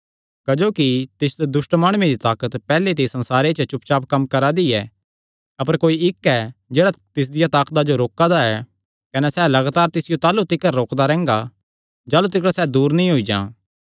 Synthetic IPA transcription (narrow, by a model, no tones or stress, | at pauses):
kɐd͡ʒoːkit̪ɪsd̪ed̪ʊsʈmaːɽ̃ʊẽd̪it̪aːkət̪pɛːlet̪̬eisɐ̃nsaːɾet͡ʃət͡ʃʊp̚t͡ʃaːpkɐmkɐɾad̪iɛ | ɐpəɾkoːiɪkːɛd͡ʒeːɽat̪ɪs̬d̪ɪjat̪aːkt̪ad͡ʒoɾoːkad̪aɛ | kɐnɛsɛːlɐɡaːt̪aːɾt̪ɪsɪjot̪aːlut̪ɪkəɾːoːkd̪aɾɛ̃ːŋɡa | d͡ʒaːlut̪̬ɪk̬ɽasɛːd̪uːɾnɐĩɦoid͡ʒã̰ː